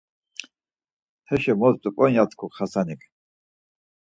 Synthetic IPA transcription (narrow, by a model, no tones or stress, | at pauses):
t̪ʰɛʃɛmɔzt̪ʼupʼɔnjat̪ʰkʰukχasanikʰʼ